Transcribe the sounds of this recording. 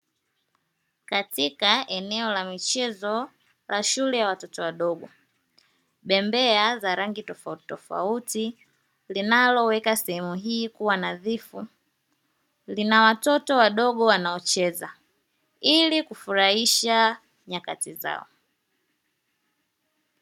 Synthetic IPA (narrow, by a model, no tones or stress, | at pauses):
katikaʔɛnɛɔlamit͡ʃɛzɔ | laʃulɛjawatɔtɔwaɗɔɡɔ | ɓɛmbɛazaɾaŋɡitɔfauttɔfa̰uti | linalɔwɛkasɛhɛmuɦiːkuwanaðifu | linawatɔtɔwaɗɔɠɔwanaɔt͡ʃɛza | ilikufuɾaiʃa | ɲakatiza̰ɔ̰